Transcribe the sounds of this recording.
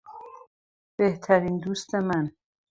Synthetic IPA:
b̥eht̪ʰæɾiːnd̪uːst̪e̞mæn

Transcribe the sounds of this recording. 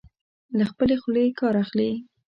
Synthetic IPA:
laxpəlexlekɑɾaxli

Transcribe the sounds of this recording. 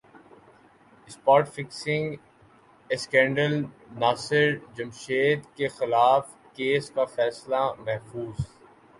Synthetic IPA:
ɪspɔːʈfɪksɪ̃ŋɡ | skɛ̃ːɳɖəlnaːsɪɾd͡ʒɐmʃeːd̪kexɪlaːf | keːskafɛːslamɛɦfuːz

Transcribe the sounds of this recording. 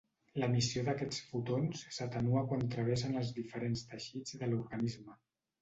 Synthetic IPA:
ləmisioðəkɛt͡sfut̪onssət̪ənuəkwant̪ɾəβ̞ɛsənəlˠzðifəɾenst̪əʃid͡zðəluɾɣənizmə

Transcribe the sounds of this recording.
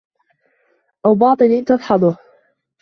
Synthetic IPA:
ʔawbɑːt̪ˤɨnint̪ɑðˤħɑd̪ˤʊh

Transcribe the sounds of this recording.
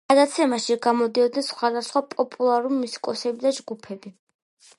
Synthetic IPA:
ɡ̥ad̪at̪sʰɛmaʃiɡamɔd̪iɔd̪nɛnsχwad̪asχwapʼɔpʼulˠaɾulimusi̥kʼɔsɛbid̪ad͡ʒɡupʰɛbi

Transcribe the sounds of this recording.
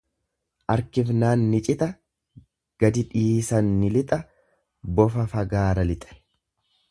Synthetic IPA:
ʔɐɾkɪfnaːnːɪt͡ʃʼɪt̪ʼɐ | ɡ̥ɐd̪ɪᶑiːsɐnːɪlɪt̪ʼɐ | bɔfɐfɐɡaːɾɐlɪt̪ʼɐ̥

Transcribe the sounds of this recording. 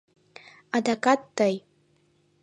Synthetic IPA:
adakʼatːaj

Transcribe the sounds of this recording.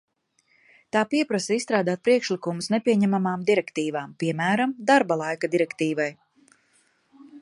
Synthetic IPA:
t̪aːpiɛpɾasɛisst̪ɾaːd̪aːt̪̚pɾiɛkʃlikumusnepʲiɛɲɛmamaːmd̪iɾɛkt̪iːvaːmpiɛmæːɾamd̪aɾbalˠajkad̪iɾɛkt̪iːvaj

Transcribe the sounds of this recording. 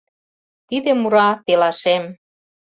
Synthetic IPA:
t̪id̪emuɾɑpelɑʃem

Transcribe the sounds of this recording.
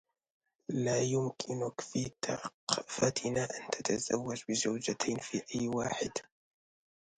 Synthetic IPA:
laːjʊmkʰɪnʊkfit̪afat̪ʰɪnaʔant̪ʰat̪ʰazawːad͡ʒbɪzawd͡ʒat̪ʰajnfiːʔajːwaːħɪd̪

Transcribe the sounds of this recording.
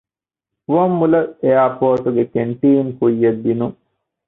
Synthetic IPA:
ʋɐmːulɐeaːpoːʈuɡekeɳʈiːŋkujːɐd̪ːinuŋ

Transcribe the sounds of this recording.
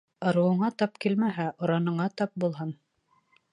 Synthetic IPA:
ɤ̆ɾɤ̆wɤ̆ɴɑt̪ɑpkilmæɦæʔŏɾɑnɤ̆ɴɑt̪ɑp̚bulˠɦɤn

